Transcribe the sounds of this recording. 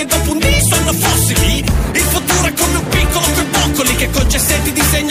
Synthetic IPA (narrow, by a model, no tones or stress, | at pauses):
ed̪ːɔːpund̪isfanːofɔsːimiilfut̪ːuːɾɛkːomːeupikːolokojpɔkːolikekːont͡ʃɛsːɛnt̪ːid̪izeɲː